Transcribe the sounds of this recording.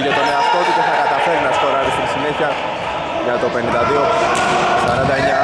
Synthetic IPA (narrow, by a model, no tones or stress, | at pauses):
ʝet̪oneɐst̪o̞ciceθɐkɐt̪ɐfe̞ɾinɐst̪oɾɐɾisit̪isineçiɐ | ʝɐt̪o̞pe̞nind̪ɐðio | sɐɾɐnd̪ɐeɲɐ